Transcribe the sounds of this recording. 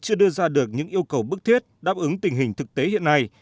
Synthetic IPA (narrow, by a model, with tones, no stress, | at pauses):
t͡ɕɨ˧əɗɨ˧əzaː˧ɗɨ˨˩ək̚ɲɨ̰˧˥ŋʔi˧əwkə˨˩wɓɨ˦˥k̚t̪ʰi˦˥t̚ɗaː˦˥p̚ʔɨ˨˦ŋt̪ï˨˩ŋ̟ɦï˨˩ŋ̟t̪ʰɨ˨˩k̚t̪e˨˦ɦḭ˧˨ənːa˧j